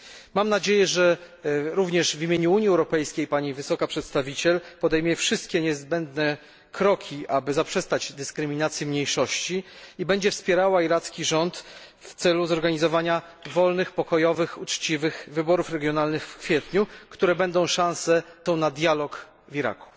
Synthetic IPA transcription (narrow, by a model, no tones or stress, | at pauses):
mamnad͡ʑejɛʐɛ | ɾuvɲɛʐvʲimʲeɲuuɲjiɛwɾɔpɛjskʲejpaɲivɘsɔkapʂɛt̪st̪avʲit͡ɕɛlpɔd̪ɛjmʲjɛfʂɘst̪̚kʲɛɲɛzbɛnd̪nɛ | kɾɔkʲʰiʔabɘzapʂɛst̪ad͡ʑd̪ɘskɾɘmʲinat̪sʲjimɲejʂɔɕt͡ɕiibɛɲd͡ʑɛfspʲjɛɾawaiɾat̪skʲiʐɔnt̪ | ft̪sɛluzɔɾɡaɲizɔvaɲa | vɔlnɘxpɔkɔjɔvɘxut͡ʂt͡ɕivɘxvɘbɔɾufɾɛɡʲjɔnalnɘxfkfʲjɛt̪ɲukt̪uɾɛbɛnd̪ɔ̃w̃ʂãñsɛt̪ɔ̃wnad̪ʲjalɔk | viɾa̰ku̥